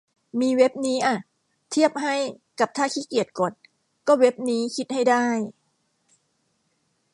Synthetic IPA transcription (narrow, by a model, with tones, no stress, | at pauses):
miː˧we˦˥p̚niː˦˥ʔa˨˩ | t̪ʰi˥˩əp̚ɦa˥˩j | ka˨˩p̚t̪ʰaː˥˩kʰiː˦˥˩ki˨˩ət̪̚ko˨˩t̪̚ | kɔː˥˩we˦˥p̚niː˦˥kʰi˦˥t̪̚ha˥˩jdaː˥˩j